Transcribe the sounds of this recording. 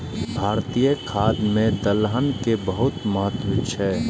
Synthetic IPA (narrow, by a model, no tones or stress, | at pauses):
bʱaːɾt̪ijəkʰaːd̪mẽd̪əlɦənkebəɦʊt̪məɦət̪wət͡ʃʰɛ